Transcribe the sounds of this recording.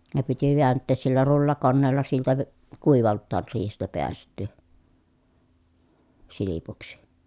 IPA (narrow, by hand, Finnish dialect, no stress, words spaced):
ne piti ʋiæntːeːs silːæ rulːɑkonːeːlːɑ siltæ k kuiʋɑltːɑːr riːhestæ peæstˑyː silipuksi̥